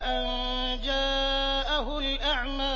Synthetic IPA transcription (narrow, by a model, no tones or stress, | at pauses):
ʔan | d͡ʒaːʔaɦʊlʔaʕmaː